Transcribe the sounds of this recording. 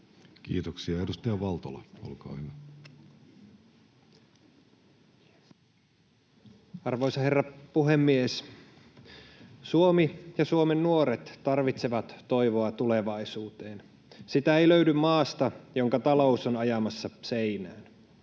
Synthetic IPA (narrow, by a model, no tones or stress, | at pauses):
kḭːt̪oksiɑedust̪ɑjɑʋɑlt̪olɑ̰o̰lkɑ̰ːhyʋæ | ɑrʋo̞jsɑherːɑpuɦe̞mːies | suomijɑsuomenːuoɾet̪ːɑrʋit̪seʋɑt̪ːo̞jʋo̞ɑt̪ule̞ʋɑisuːt̪e̞ːn | sit̪æejløydymmɑːst̪ɑjoŋkɑt̪ɑlo̞usonɑjɑmɑsːɑseinæːn